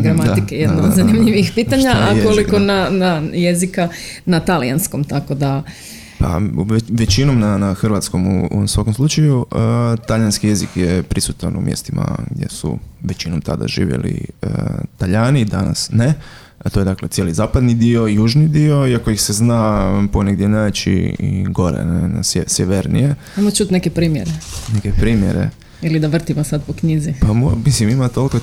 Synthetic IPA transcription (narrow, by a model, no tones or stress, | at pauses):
ɡɾamaikejed̪nad̪zanimʎiʋixpiːt̪aɲaajolikonanajezikanat̪alijansko̞mt̪ako̞d̪a | pa̰ʋe̞t͡ɕinomnanaxr̩ʋat̪sko̞mṵsʋakomslˠut͡ʃajut̪alʎanskije̞zikjepɾisut̪anumjḛst̪ima̰ɡd̪je̞̰sṵʋet͡ɕinomt̪a̰d̪a̰ʒḭːʋjḛlḭət̪aʎaːnid̪ana̰sne | t̪oje̞d̪aklet̪sjelizaːpad̪nid̪io̞juːʒnid̪io̞iako̞ixseznaponeɡd̪jenaʋet͡ɕḭiɡo̞ɾḛnena̰sesjeʋeɾnḭje | amot͡ʃut̪nekepɾiːmjeɾenekepɾiːmjḛɾḛ | ilid̪aʋr̩t̪imosad̪pokɲizipamomislimimat̪o̞liko